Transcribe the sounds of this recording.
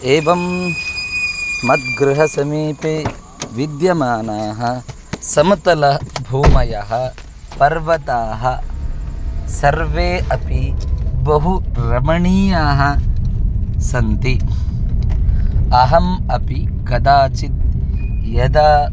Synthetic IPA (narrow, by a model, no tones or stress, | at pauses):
eːʋɐm | mɐt̪̚ɡɾɪɦɐsɐmiːpeː | ʋid̪jɐmaːnaːɦɐ | sɐmɐt̪ɐlɐbʱuːmɐjɐɦɐ̆ | pɐɾʋɐt̪aːɦɐ̆ | sɐɾʋeːɐpibɐɦuɾɐmɐɳiːjaːɦɐ | sɐnt̪i | ɐɦɐmɐpikɐd̪aːt͡ʃit̪̚jɐd̪aː